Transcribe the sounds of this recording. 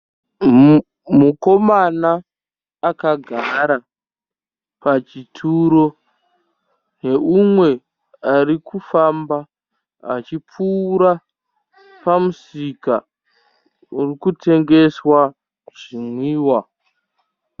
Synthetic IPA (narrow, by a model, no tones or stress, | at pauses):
muko̞manaː | kaɡʱaɾa | pat͡ʃitʰuɾo̞ | ne̞umwe̞ | aɾikufamba | a̰t͡ʃip͡fuːɾa | pamusika̰ | urikutʰe̞ŋɡe̞swa | ʐ̥imwiːwa